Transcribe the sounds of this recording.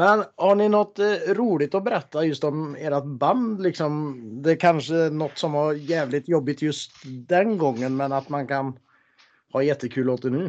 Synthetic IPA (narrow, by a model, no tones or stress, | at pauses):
mɛnhaɳɪnɔt̪ːɾuːlɪt̪ɔbɛɾɛt̪ːajɵst̪ɔmeːɾat̪band̪lɪksɔmd̪ɛkʰanʂəænɔt̪ːsɔmhɑɾjɛːvlɪt̪jɔbːɪt̪jɵst̪d̪ɛnɡɔŋːənmɛnat̪mankʰan | hɑːjɛt̪ʰːəkʰʉ̟ːloːt̪ənʉ̟ː